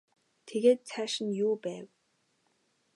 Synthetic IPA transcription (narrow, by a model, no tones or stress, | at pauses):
t̪ʰeɣeːt̪̚t͡sʰæːʃɪ̆njuːpæːw